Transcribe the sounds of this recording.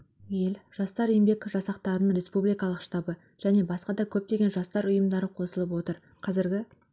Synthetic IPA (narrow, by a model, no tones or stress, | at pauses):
jelʒ̥ɑst̪ɑɾejmbe̞kʒɑsɑqt̪ɑɾənəɴɾe̞spublijkɑlˠəqʃt̪ɑbə | ʒ̥æne̞bɑsqɑd̪ɑkʲʰɵp̚t̪e̞ɡʲe̞nʒɑst̪ɑɾʊjəmd̪ɑɾəqʰo̞səlˠəp̬wo̞t̪əɾ | qʰɑzɪɾɡʲɪ